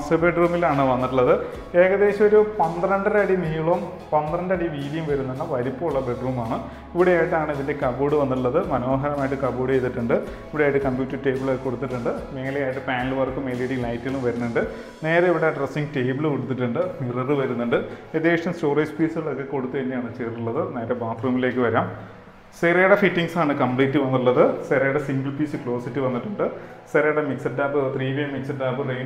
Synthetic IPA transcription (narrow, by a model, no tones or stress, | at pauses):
ɐsɨbeɖruːmilaːɳɨʋɐnːiʈːuɭːɐðɨ | e̞ːɣɐðe̞ːɕɐmoɾupɐnd̪rɐɳɖɨɾɐɽimiːɭɐm | pɐnd̪rɐɳɖɐɽiʋiːðijɐmʋɐɾunːunːɐʋɐɾipːouɭːɐbe̞ɖruːmaːɳɨ | iʋiɽejaːjiʈːaːɳɨiðinde̞kɐboːɽɨʋɐnːiʈ̬ːuɭːɐðɨmɐno̞ːɦɐɾɐmaːjʈːɨkɐboːɽɨejt̪ːiʈːuɳɖɨ | iʋiɽeajiʈːɨkɐmbjuːtːɐrʈe̞ːbɨɭko̞ɽut̪̬ːiʈːuɳɖɨme̞ːlejaːjiʈːɨpaːnilɨʋɐrkːɨme̞ːlejʈːilɐjtːilumʋɐɾunːuɳɖɨ | ne̞ːɾɐiʋiɽeɖresːiŋɡte̞ːbɐɭkoɽut̪ːiʈːuɳɖɨmirɐrɨʋɐɾunːuɳɖɨed̪eːʂɐmsto̞ːrɐjspiːsɨɐɭokːe̞ko̞ɽut̪ːuʋɐnːejaːɳɨt͡ɕeːuɭːɐðɨneːɾɐbaːt̪ruːmile̞ːkːɨʋɐɾaːm | seɾɐjɐɽefiʈːiŋɡsaːɳɨkɐmpliːtːɨʋɐnːiuɭːɐðɨseɾɐjɐɽesiŋɡɐɭpiːsɨkɭo̞ːsitːiʋɐnːiʈːuɳɖɨ | st̪eɾɐjɐɽemiksɐdːaːpːɨt̪riːʋijɐmiksɐdaːpːɨrejn